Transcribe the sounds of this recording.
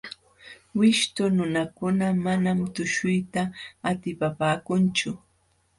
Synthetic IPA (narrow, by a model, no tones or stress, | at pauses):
wɪʃt̪ʊnʊnakʊnamanamt̪ʊʃʊjt̪aːt̪ɪpapaːkʊnt͡ʃʊ